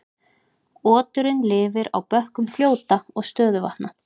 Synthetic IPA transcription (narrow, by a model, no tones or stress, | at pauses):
ɔːt̪ʏɾɪnlɪːvɪɾa̰wpœhkʏmfljoːwt̪aɔɣst̪œːðʏva̰ht̪na